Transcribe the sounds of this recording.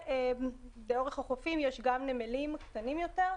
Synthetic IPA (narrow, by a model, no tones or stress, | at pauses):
e | beo̞ʁeχhaχofimjeʃɡamnemelimkt̪animjo̞t̪eʁ